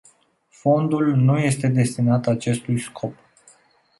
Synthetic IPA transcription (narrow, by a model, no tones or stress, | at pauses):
fo̞nd̪ulnuje̞st̪e̞d̪e̞st̪inat̪at͡ʃe̞st̪ujskʰo̞p